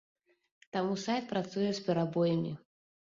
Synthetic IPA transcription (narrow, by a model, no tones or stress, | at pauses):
t̪amusajt̪̚pɾat̪sujɛsʲpʲɛɾabɔjɐmʲi